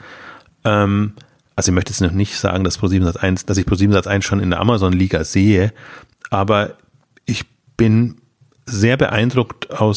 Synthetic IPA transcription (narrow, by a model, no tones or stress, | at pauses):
ʔɛːm | ʔalzoɪçmœçtəjɛt͡snɔχnɪçtz̥a̰ːɡŋ̩d̥aspʁ̥oːziːbm̩zat͡sʔa̰ɪnsd̥asɪçpʰʁ̥oːziːbm̩zat͡sʔaɪnsʃoːnɪndeɐʔa̰mɐzɔnliːɡazeːə | ʔaːbɐ | ʔɪç | b̥ɪn | zeːɐbəʔa̰ɪndʁʊktaʊs